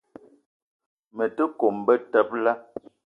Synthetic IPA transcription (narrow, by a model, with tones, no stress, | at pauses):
mə˨tə˦ko˨mbə˦tə˦p̚la˦